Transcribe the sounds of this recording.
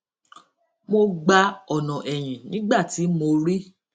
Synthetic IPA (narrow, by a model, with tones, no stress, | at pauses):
mo˧ɡ͡ba˧ɔ˨nɔ̃˨ʔɛ˨j̃ĩ˨nĩ˨˦ɡ͡ba˦˨ti˨˦mo˧ɾi˦